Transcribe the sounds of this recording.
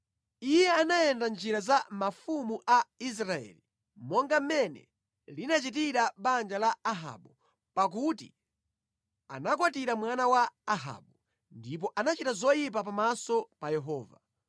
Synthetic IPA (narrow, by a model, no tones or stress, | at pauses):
ijɛanajɛndand͡ʒiɾazamafumuʔais̬ɾaɛ̰li | mɔŋɡam̩mɛnɛ̰ | linat͡ʃit̬iɾaɓand͡ʒalaaɦa̰ɓu | pak̬utḭ | a̰nak̬watiɾamwanawaːɦa̰ɓu | ndip̬ɔʔanat͡ʃitazɔjip̬ap̬amasɔpajɛɦɔːva